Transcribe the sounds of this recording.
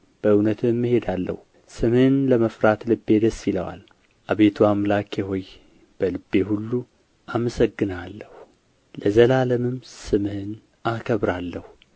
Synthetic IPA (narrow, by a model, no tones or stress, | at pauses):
b̥əɨwnət̪ʰɨmːɨhe̞d̪alːə̰hu | sɨmhɨnləməfɾat̪lɨbːe̞d̪əsːilə̰wa̰l | ʔaβet̪ʰuamlakʰeɦo̞j | b̥əlɨbːe̞hulːu | ʔaməsəɡːɨnalːəhu | ləzəlaləmɨmsɨmhɨn | akʰəβɾalːəhu